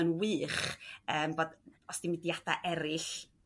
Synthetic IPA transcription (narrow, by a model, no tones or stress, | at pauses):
ənwɨːχəːmboːdɔsd̥imɪdjad̥a̰ʔɛɾɪɬ